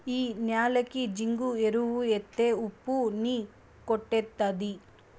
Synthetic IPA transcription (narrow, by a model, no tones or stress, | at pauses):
iːnjaːlɐkːid͡ʒiŋɡueɾuʋuet̪ːeupːuniː | koʈːet̪ːad̪i